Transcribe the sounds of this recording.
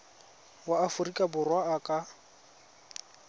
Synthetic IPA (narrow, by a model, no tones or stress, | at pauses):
waːfʊrikʼabʊrwaːkʼa